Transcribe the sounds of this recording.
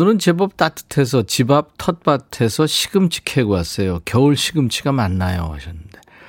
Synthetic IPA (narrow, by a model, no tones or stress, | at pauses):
nɯɾɯnt͡ɕe̞bʌp̚t͈atʰɯ̥tʰe̞s̬ʰʌt͡ɕibap̚tʰʌt̚p͈atʰe̞sʰʌɕʰi̥ɡɯmt͡ɕʰi̥kʰeɡoas͈ʌjokjʌuɭɕʰiɡɯmt͡ɕʰiɡamanːajo̰a̰ɕʰʌnːɯnde̞